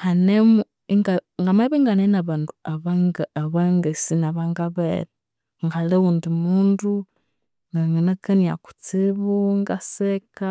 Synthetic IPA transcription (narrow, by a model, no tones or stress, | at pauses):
hanemu | iŋɡaŋɡamaβeŋɡanenaβaːnduaβaŋɡaβaŋɡesinaβaŋɡaβeɾa | ŋɡaleuːndimuːndu | ŋɡaŋenakenia̰ku̥t͡siβuŋɡaseka